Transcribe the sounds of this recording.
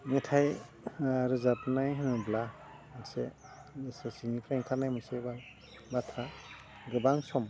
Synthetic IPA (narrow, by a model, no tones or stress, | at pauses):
metʰaj | ɾɯzapnajɦɯnɯbla | masḛ | esasiŋipʰɾaŋkʰanajmɯseba | batʰɾa | ɡɯbaŋsɔm